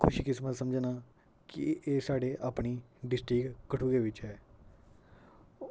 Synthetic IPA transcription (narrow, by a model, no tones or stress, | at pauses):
kʰʊʃiːkɪsmət̪səmd͡ʒnaː | kḭeːsaːɖeːʔaːpɳiːɖɪsʈɾiːkkəʈʰuːɡeːʋɪt͡ʃɦɛː